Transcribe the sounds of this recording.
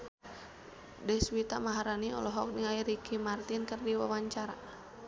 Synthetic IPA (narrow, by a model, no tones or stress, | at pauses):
dɛswit̪amaɦaɾaniɔ̰lɔɦɔk̚diŋaiɾikimart̪inkərdiwawaɲt͡ʃaɾa